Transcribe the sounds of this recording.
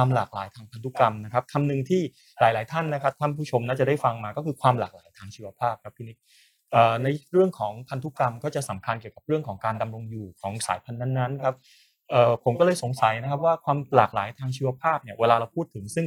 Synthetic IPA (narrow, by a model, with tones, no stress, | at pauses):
aː˧mlaː˨˩k̚la̰ː˩˦jt̪ʰaː˧ŋpʰa˧nt̪ʰu˦˥ka˧mna˦˥kʰa˦˥p̚k̪ʰa˧mnɯ˨˩ŋt̪ʰiː˥˩ | ɾaː˨˩˦jlaː˩˦jt̪ʰa˥˩nːa˦˥kʰa˦˥p̚t̪ʰa˥˩npʰuː˥˩t͡ɕʰo˧mna˥˩t͡ɕa˨˩da˥˩jfa˧ŋmaː˧kɔː˥˩kʰɯː˧kʰwaː˧mla̰ː˨˩k̚laː˩˦jt̪ʰaː˧ŋt͡ɕʰiː˧˥wa˧pʰaː˥˩p̚kʰa˦˥p̪̚ʰuː˧ni˦˥k̚ | ʔɤː˨˩na˧jɾɯ˥˩əŋkʰɔː˩˦ŋpʰa˧nt̪ʰu˦˥ka˧mkɔː˥˩t͡ɕa˨˩ʔsa˩˦mkʰa˧nki˨˩əwka˨˩p̚ɾɯ˥˩əŋkʰɔː˩˦ŋkaː˧nda˧mɾo˧ŋjuː˨˩kʰɔː˩˦ŋsa̰ː˩˦jpʰa˧nːa˥˩nːa˦˥nkʰa˦˥p̚ | ʔɤː˨˩pʰo˩˦mkɔː˥˩lɤː˧jso˨˩˦ŋsa˨˩˦jna˥kʰa˦˥p̚waː˥˩kʰwaː˧mlaː˨˩k̚la̰ː˩˦jt̪ʰaː˧ŋt͡ɕʰiː˧wa˧pʰaː˥˩p̚ni˥˩ɐweː˧laː˧ɾa˧wpʰuː˥˩t̪ʰːɯ˨˩˦ŋsɯ˥˩ŋ